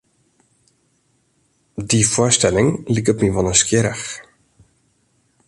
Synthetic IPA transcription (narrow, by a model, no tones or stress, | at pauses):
difʊstɛlɪŋlikɔpmiʋɔnəskjɪɾəx